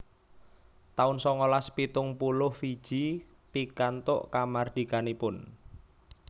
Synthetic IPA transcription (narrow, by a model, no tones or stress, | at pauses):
t̪aʊnsɔŋolaspit̪ʊŋpulʊhfid̥ʒ̥i | pikant̪ʊ̰ʔkamard̪̥i̤kanipʊn